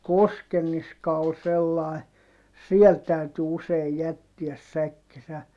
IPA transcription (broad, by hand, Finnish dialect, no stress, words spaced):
koskenːiskɑ ol selːɑi siɛl tæyty useij jætːiæs sækːisæ